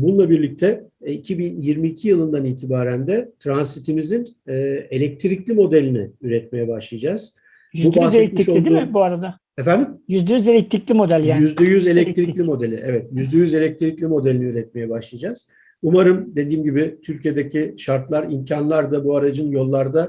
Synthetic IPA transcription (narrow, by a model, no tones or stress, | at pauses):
bununˠabiɾlʲic̚t̪ʰɛicʰibinjiɾmiːcʰijɯlˠɯnd̪aniːt̪ʰibaːɾænd̪ɛt̪ʰɾansit̪ʰimizinːe̞lʲɛc̚t̪ʰɾiclʲimo̞d̪elʲinɪ̰yɾɛt̪̚me̞jɛbaʃlˠajad͡ʒaːz̥ | jbubaseelʲɛt̪mʃolid̪umːbuaɾad̪a | efænd̪imjyzd̪ɛjyzelʲɛc̚t̪ɾiclʲimo̞d̪ælʲjajyzd̪ɛjyze̞lʲɛc̚t̪ʰɾilʲimo̞d̪e̞lʲḭʔɛvɛt̪jyzd̪ɛjyze̞lʲɛc̚t̪ʰiɾiclʲimo̞d̪elʲiniyɾɛt̪̚me̞jɛbaʃlˠajad͡ʒaz̥ | umaɾɯmd̪e̞d̪iːmɟibɪt̪ʰyɾʲcijed̪ecʰiʃaɾt̪lˠaɾimcʰanlˠaɾd̪abuaɾad͡ʒɯnjo̞lˠːaɾd̪a